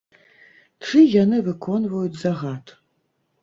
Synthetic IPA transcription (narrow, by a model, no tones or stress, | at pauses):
ʈ͡ʂɨjanɨvɨkʰɔnvɐjut͡sʲzaɣat̪ʰʼ